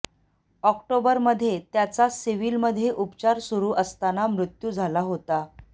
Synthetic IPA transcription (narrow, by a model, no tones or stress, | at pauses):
ɔkʈobəɾməd̪ʱːjet̪jat͡sasiʋiːlməd̪ʱːjeʔupt͡ɕaɾsuɾuːʔəst̪anamɾut̪juːd͡zʱalaɦot̪a